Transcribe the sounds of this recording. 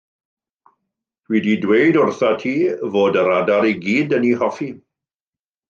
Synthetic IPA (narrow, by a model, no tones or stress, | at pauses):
wididwejdʊrθatʰiːvoːdəɾadaɾiɡiːdənihɔfi